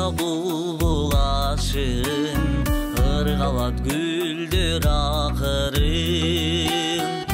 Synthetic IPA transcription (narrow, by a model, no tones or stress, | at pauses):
ɑbulˠlˠbolˠɑʃɯ | nqʰɯɾʁɑlˠɑt̪ɡy | ld̪øɾɑqəɾɯ